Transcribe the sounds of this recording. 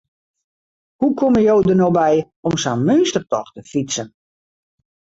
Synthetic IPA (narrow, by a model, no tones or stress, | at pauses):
hukʰoməjowdərnobɛj | ɔmsanmønstərtɔxtəfit͡sən